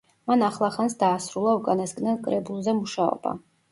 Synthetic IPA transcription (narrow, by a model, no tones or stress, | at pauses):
manaχlˠaχansd̪aːsɾulˠaukʼanasɡnɛnˠkʼɾɛbulˠzɛmuʃaɔ̰b̥a̰